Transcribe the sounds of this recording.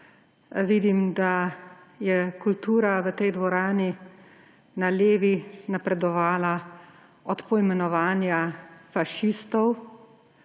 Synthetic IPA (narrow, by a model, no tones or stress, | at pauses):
ʋid̪imd̪a | jɛkult̪uːɾaʋət̪ɛjd̪ʋɔɾaːni | naleːʋinapɾɛd̪ɔʋaːla | ɔt̪pɔimɛnɔʋaːnjafaʃist̪ɔw